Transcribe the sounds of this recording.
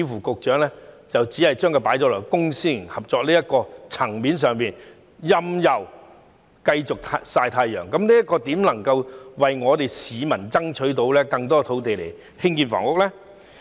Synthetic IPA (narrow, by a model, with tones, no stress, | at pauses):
fuː˨˩kʊ˨k̚t͡ʃœː˨˥ŋlɛː˥ | t͡sɐ˨wt͡siː˨˥hɐ˨˩jt͡ʃœː˥ŋkʰɵ˧paː˨˥jt͡ʃɔː˨˥lɔː˨˩jkʊ˥ŋsiː˥i˨˩ŋhɐ˨p̚t͡sɔː˨k̚liː˥jɐ˥t̚kɔː˧t͡sʰɐ˨˩ŋmiː˨˥ns̬œː˨ŋpiː˨n | jɐ˧mjɐ˨˩w | kɐ˧jt͡sʊ˨k̚t̪ʰa˧saː˧jt̪ʰaː˧jjœ̰ː˨˩ŋkɐ˨˥mniː˥jɐ˥t̚kɔː˧t̪iː˨˥mlɐ˨˩ŋkɐ˧wwɐ˨jŋɔː˨˧t̪e˨˩jsiː˨˧mɐ˨˩nt͡sɐ˥ŋt͡ʃʰɵ˨˥ɥt̪o˨˧˥wlɛː˥kɐ˧ŋt̪̬ɔː˥t̪ʰo˨˥wt̪e˨jle˨˩j | hɪ˥ŋkiː˧nfɔ̰˨˩ŋwʊ˨˧k̚lɛː˥